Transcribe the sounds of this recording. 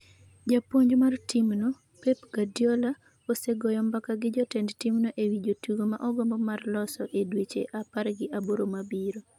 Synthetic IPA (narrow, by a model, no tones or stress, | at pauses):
d͡ʒapoɲd͡ʒmartimno | pepɡadjɔla | oseɡɔjɔmbakaɡɪd͡ʒɔtɛndtimnoʔewid͡ʒotuɡoma̰ʔɔɡɔmbɔmarlɔsɔʔedwet͡ʃḛʔapaɾɡɪʔaboɾomabiɾo